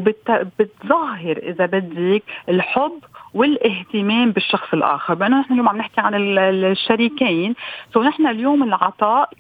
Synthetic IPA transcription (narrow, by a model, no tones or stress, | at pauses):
bɪt̪bɪt̪zˤɑɦːɪɾʔɪ̰zabɪd̪ːikɪlħʊbːwɪlʔɪɦt̪ɪmeːmbɪʃːɑxsˤɪlʔa̰ːxɪɾbʔanːonɪħnaljoːmʕamnɪħkiʕanɪʃːaɾikeːnsawnɪħnaljoːmɪlʕɑt̪ˤɑːʔ